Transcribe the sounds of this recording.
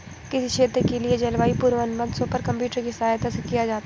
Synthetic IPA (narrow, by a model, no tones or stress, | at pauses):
kɪsiʃʰeːt̪ɾəkelied͡ʒɐlʋaːipuɾʋənməd̪sõpɐɾkɐ̃mpjuːʈəɾkisaːjt̪asekijad͡ʒaːt̪a